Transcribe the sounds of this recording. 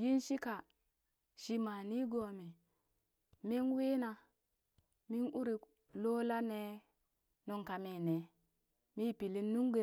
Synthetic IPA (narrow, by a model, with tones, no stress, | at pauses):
ji˦nʃi˦ka˨ | ʃi˨ma˨ni˦ɡo˨mi˨ | mi˦nwe˦na˨ | mi˦nu˦ɾi˨ | lo˦la˦ne˦ | no˨ŋka˨me˨ne˨ | mi˦pi˨li˦nːu˦ŋɡe˨˦